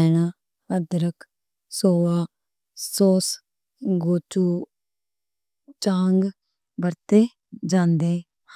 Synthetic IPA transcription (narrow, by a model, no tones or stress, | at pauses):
ɛnaː | əd̪ɾək | soːaː | soːs | ɡoːt͡ʃuː | t͡ʃãːŋɡ | bəɾt̪eː | d͡ʒãːnd̪eː